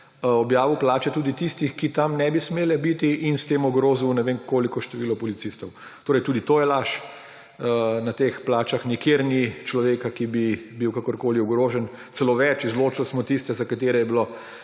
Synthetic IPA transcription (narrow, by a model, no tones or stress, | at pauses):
ɔbjaːʋiwplaːt͡ʃɛt̪uːd̪it̪ist̪ixkit̪amnɛbismeːlɛbit̪iʔinst̪eːmɔɡɾoːziwnɛʋenkoːlikɔʃt̪ɛʋilɔpɔlit̪sist̪ɔw | t̪oːɾɛjt̪uːd̪it̪oːjɛlaʃ | nat̪explaːt͡ʃaxnikjeɾnit͡ʃlɔʋeːkakibibiwkakɔɾkoːliuɡɾoːʒɛn | t̪sɛloːʋɛt͡ʃizloːt͡ʃilsmɔt̪ist̪ɛzakat̪eːɾɛjɛbilo